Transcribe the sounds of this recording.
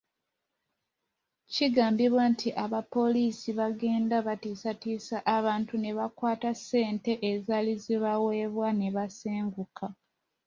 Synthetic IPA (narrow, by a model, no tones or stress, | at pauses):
ciɡaːmbiβwantʰiʔaβapːo̞liːsiβaɡe̞ːndaβatiːsatiːsaʔːβaːntune̞βakwaːtase̞ːnte̞ʔezaliziβawe̞βwaneβaseːŋɡukʰa